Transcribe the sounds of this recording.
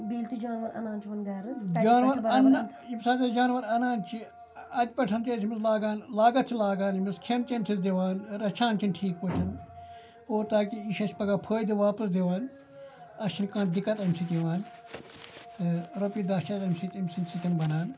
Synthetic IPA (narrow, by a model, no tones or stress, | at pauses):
biːlt̪ud͡ʒaːnʋɐɾɐ̰nãːnt͡ʃʰiʋɐnɡaːɾɨd͡ʒaːnʋɐɾɐnː | imsaːk̪ɐd͡ʒaːnʋɐɾɐnaːnt͡ʃʰi | ɐd̪ʲpɐʈʰɐnt͡ʃɐːsʰimislaːɡaːnlaːɡɐt̪̚t͡ʃʰilaːɡaːnimiskʰent͡ʃɐmʲt̪ʰisd̪eʋaːnɾɐt͡ʃʰaːnt͡ʃʰinʈʰiːk̚pot͡ʃʰɐn | oːɾt̪aːkiiʃɐt͡ʃʰʲpɐɡaːpʰəːjd̪iʋaːpɐs̬d̪eʋaːn | ɐt͡ʃʰinkãːn̚d̪ikːɐt̪ɐmʲsit̪iʋaːn | ɾɐpid̪ɐt͡ʃʰɐt̪ɐmʲsit̪imʲsinsik̪ʲinbɐnaːn